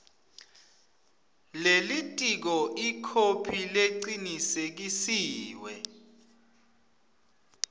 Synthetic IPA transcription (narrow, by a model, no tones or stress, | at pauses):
lelitʼik̬ɔʔikʰopʰileǀinisek̬isiːwɛ